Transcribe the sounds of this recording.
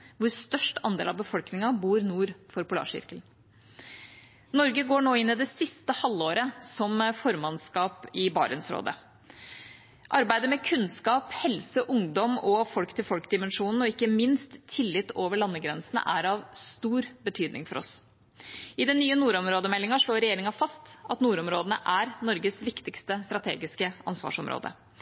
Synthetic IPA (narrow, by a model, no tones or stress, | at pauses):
ʋʊɾst̪œʂʈɑ̰nd̪ḛlɑʋbəfɔlknɪŋɑbuːɾnuːɾfɔɾpʊlɑ̰ːʂɪ̰ɾkəl | nɔɾɡəɡoːɳoːɪnːɪd̪ɛsɪst̪əhɑlːoːɾəsɔmfɔɾmɑnskɑːpɪbɑ̰ːɾə̰nsɾo̰ːd̪ə̰ | ʔɑɾbæɪd̪əmɛkʰʉnskɑːphɛlsəʔʊŋd̪ɔmɔfɔlkt̪ʰɪlfɔlkd̪ɪmɛnʂuːnn̩ɔɪkːəmɪnst̪ʰːɪlːɪt̪ːoːʋəɭɑnːəɡɾɛnsənə̰ʔæ̰ɾɑʋst̪uːɾbət̪ʰyːd̪nɪ̰ŋfɔɾɔ̰s | ɪd̪ɛnːyːənuːɾɔmɾoːd̪əmɛlːɪŋɑʂɭoːɾɛjeːɾɪŋɑfɑst̪ɑt̪nuːɾɔmɾoːd̪ənəʔæɾnɔɾɡəsʋɪkt̪ɪkst̪əst̪ɾɑt̪ʰḛːɡɪskəʔɑ̰nsʋɑ̰ːʂɔ̰mɾo̰ːd̪ə̰